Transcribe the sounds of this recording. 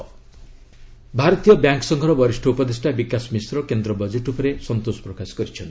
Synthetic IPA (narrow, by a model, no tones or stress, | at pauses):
bʱaɾɔt̪ijɔbjaŋksɔŋkʰɔɾɔbɔɾisʈʰɔupɔd̪esʈʰabikasmisɾɔkend̪ɾɔbɔd͡ʒeʈupɔɾesɔnt̪osɔ̥pɾɔkasɔ̥kɔɾit͡ʃʰɔnt̪i̥